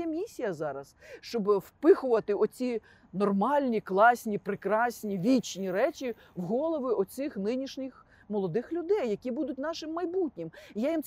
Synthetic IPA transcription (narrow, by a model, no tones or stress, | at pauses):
ɛmʲisʲijɐzɑɾɐsʃt͡ʃɔbwpɪxʊʋɐt̪ɪʔɔt͡sʲi | nɔrmɑlʲnʲiklˠɑsʲnʲipɾɪkɾɑsʲnʲiʋʲit͡ʃnʲiɾɛt͡ʃʲi | wɦɔlˠɔʋɪʔɔsɪxnɪnʲiʃnʲɪx | mɔlˠɔd̪ɪxlʲʊd̪ɛjːɐkʲibud̪ʊtʲnɑʃɪmːɐjbutʲnʲɪmijajimt̪